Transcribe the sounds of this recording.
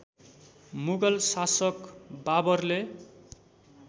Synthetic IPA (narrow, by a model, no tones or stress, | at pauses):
muɡʌlsasʌkbabʌrle